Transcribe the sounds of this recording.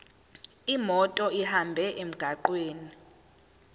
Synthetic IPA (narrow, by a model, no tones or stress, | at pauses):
imɔtʼɔihambʱɛʔem̩ɡ̥ʱaǃweːni